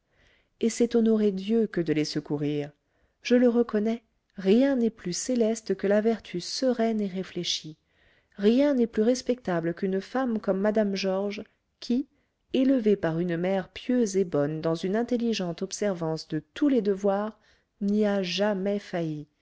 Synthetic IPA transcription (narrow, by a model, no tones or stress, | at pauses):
esɛt̪ɔnɔʁed̪jøkəd̪əlesəkuʁiːʁ | ʒ̥ələʁəkɔnɛ | ʁjɛ̃nɛplyselɛst̪kəlavɛʁt̪ʰysəʁɛneʁefleʃi | ʁjɛ̃nɛplyʁɛspɛk̚t̪abləkynfamkɔmːad̪amʒɔʁʒ | kʲʰi | eləvepaʁynmɛʁpjøzebɔnd̪ɑ̃zynɛ̃t̪elːiʒɑ̃t̪ɔpsɛʁvɑ̃sd̪ət̪uled̪əvwaʁ | niaʒamɛfaji